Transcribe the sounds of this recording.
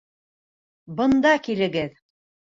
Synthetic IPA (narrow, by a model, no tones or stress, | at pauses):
bɤ̆nd̪ɑkilɘ̆ɡɘð